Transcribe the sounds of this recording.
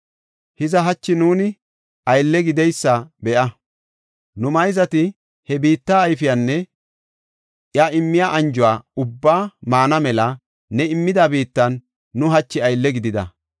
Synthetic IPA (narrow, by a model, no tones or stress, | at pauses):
hɪzɐɦɐt͡ʃːɪnuːnɪ | ʔɐjlːɛɡɪd̪ɛjsːɐbɛʔɐ | nʊmɐjzɐt̪ɪ | hɛbiːt̪ːaːjfɪjanːɛ | ʔjaɪmːɪjaʔɐnd͡ʒʊwaːʊbːaːmaːnɐmɛlɐ | nɛɪmːɪd̪abiːt̪ːɐnː | ʊɦɐt͡ʃːɪɐjlːɛɡɪd̪ɪd̪ɐ̰